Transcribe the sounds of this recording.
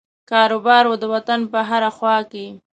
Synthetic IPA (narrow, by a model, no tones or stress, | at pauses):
kɑɾobɑɾwod̪əwat̪anpəɦaɾaxwɑke